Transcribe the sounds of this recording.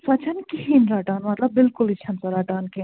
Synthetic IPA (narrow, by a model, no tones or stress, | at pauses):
sɐt͡ʃʰɐnkiɦinɾaʈanmɐt̪lɐbːilkulit͡ʃʰɐnsɐɾaʈaːnkin